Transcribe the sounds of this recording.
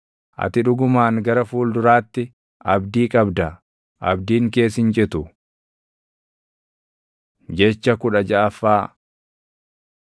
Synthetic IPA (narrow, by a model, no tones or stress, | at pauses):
ʔɐ̰t̪ɪᶑʊɡʊmaːŋɡɐɾɐfuːld̪ʊɾaːt̪ːɪ | ʔɐbd̪iːkʼɐbd̪ɐ | ʔɐbd̪iːŋke̞ːsɪnt͡ʃʼɪt̪ʊ | d͡ʒɛt͡ʃːɐkʊᶑɐd͡ʒɐʔɐfːaː